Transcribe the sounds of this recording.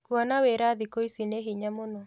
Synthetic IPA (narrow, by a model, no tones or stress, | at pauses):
kuanaweɾaðikoisineɦiɲamonɔ